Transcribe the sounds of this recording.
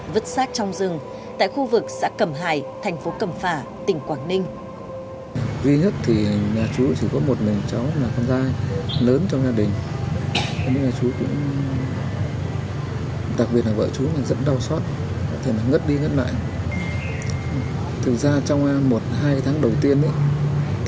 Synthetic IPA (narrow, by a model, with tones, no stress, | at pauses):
və˦˥t̚saː˦˥t̚t͡ɕɔ˧wŋ͡mzɨ˨˩ŋ | t̪a̰ː˧˨jxu˧vɨ˨˩k̚sa̰ː˧˥kə˨˩mɦaː˧˩jt̪ʰɛ˨˩jŋ̟fo˨˦kə˨˩mfaː˧˩ | t̪ï˧˩ŋ̟kwaː˧˩nnï˧ŋ̟ | zi˧ɲə˦˥t̚t̪ʰi˨˩ɲaː˨˩t͡ɕu˨˦t͡ɕi˧˩kɔ˨˦mo˨˩t̚mï˨˩ŋ̟t͡ɕa˨˦wmaː˨˩kɔ˧nzaː˧jləː˨˦nt͡ɕɔ˧wŋ͡mzaː˧ɗï˨˩ŋ̟ | t̪ʰnḭ˧˥ŋɲaː˨˩t͡ɕu˨˦kʊ̰˧˥ŋ͡m | ɗa˨˩k̚ɓi˨˩ət̚laː˨˩və̰ː˧˨t͡ɕu˨˦naː˨˩zə˦˥t̚ɗa˧wswaː˦˥t̚ | kɔ̰˧˥t̪ʰe˨˩naː˨˩ŋə˦˥t̚ɗi˧ŋə˦˥t̚la̰ː˧˨j | t̪ʰɨ˨˩k̚zaː˧t͡ɕɔ˧wŋ͡mʔa˧mo˨˩t̚ɦaː˧jt̪ʰaː˨˦ŋɗə˨˩wt̪i˧ənʔḭ˧˦